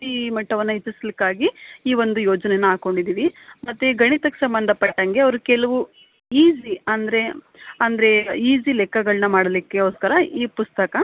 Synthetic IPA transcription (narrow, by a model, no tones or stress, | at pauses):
imɐʈːɐʋɐnːɐɦit͡ʃːislikːaːɡiiːʋond̪ujoːd͡ʒɐnenːɐaːko̞ɳɖid̪iːʋimɐt̪ːeɡɐɳit̪ɐkːesɐmbɐnd̪ʱɐpɐʈːɐŋɡe̞ɐʋɐɾukɛlɐʋu | iːsiɐnd̪ɐɾe̞ | ɐnd̪ɐɾe̞iːzilɛkːɐɡɐɭɐnɐmaːɽɐlikːe̞oːskɐɾɐiːpust̪ɐkɐ